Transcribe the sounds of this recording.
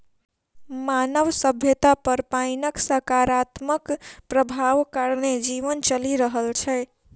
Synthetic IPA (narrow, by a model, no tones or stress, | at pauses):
manəʋsəbʱjət̪apəɾpaɪnəksəkaɾat̪məkpɾəbʱaʋkaɾned͡ʒiʋənt͡ʃəliɾəɦəlt͡ʃʰɛ